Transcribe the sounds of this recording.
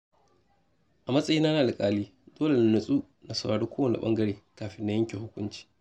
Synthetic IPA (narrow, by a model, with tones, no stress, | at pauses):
ʔa˨mɐ˦sʼɐ˦jiː˦na˦naː˨la˨kʼaː˦liː˦d̥oː˦le˨n˨nʊ˨sʼu˦ | na˨sɐ˨ɽaː˨ɽu˦kʷoː˦wɐ˨nḭ˨ɓɐ̰˦ŋɡɐ˦ɽeː˨kaː˨ɸɪ˦nːa˦jɐ˦ŋkʲe˨hʊ˦kʷʊ˦nt͡ʃi̥ː˨